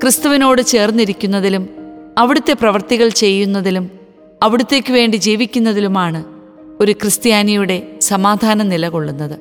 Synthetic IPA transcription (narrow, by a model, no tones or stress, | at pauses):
krɨst̪ɐʋino̞ːɽɨt͡ɕe̞ːrnːiɾikʲːunːɐðilumɐʋiɽut̪ːe̞prɐʋɐrt̪iɣɐɭt͡ɕe̞jːunːɐðilum | ɐʋiɽut̪ːe̞ːkːɨʋe̞ːɳɖid͡ʑiːʋikʲːunːɐðilumaːɳɨ | o̞ɾukrɨst̪jaːnijuɽe̞sɐmaːd̪ʱaːnɐnilɐɣo̞ɭːunːɐðɨ